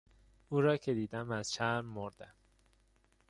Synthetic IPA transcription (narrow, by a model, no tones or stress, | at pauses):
uːɾɒːcʰed̪iːd̪æmæz̥ʃæɾːoɾd̪̥æm